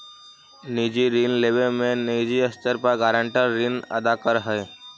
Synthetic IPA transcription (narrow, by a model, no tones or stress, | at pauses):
nid͡ʒiɾinleʋelmẽnid͡ʒiəst̪əɾpəɡaɾə̃ɳʈəɾːinə̰d̪akəɾɦəe